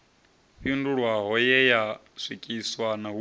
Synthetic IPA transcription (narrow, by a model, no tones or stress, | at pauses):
ɸinduɺwaɦɔjɛja | sʷikʼiswanaɦu